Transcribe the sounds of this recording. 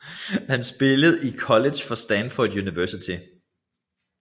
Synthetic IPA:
hænsb̥e̝ləð̞̩ˠikʰɒ̽led̥ɕfɒ̽sd̥ænfɔd̥juniʋæɐsit͡sʰi

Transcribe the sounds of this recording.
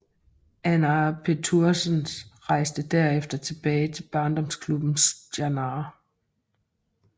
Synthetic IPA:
ʔænæpʰe̝t͡sʰuɐsənʁɑ̈ɪ̰sd̥əd̥æɐ̰efd̥ɐt͡sʰe̝b̥ɛːɪt͡sʰe̝lb̥ɑ̈ːnd̥ɒ̽mskʰlub̥n̩sdænɑː

